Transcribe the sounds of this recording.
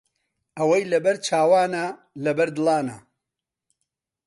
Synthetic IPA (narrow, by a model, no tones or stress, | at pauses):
ɐwɐjlɐbɐɾt͡ʃʰaːwaːnɐ | lɐbɐɾd̪ɨlˠaːnɐ̰